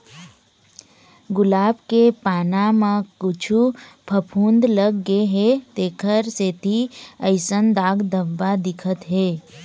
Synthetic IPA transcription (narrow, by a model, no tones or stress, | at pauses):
ɡʊlaːbkepaːnamãkʊt͡ʃʰupʰəpʰũːnd̪ləɡːeɦet̪eːkʰəɾset̪iəɪsənd̪aːɡd̪əbːad̪ɪkʰət̪ɦeː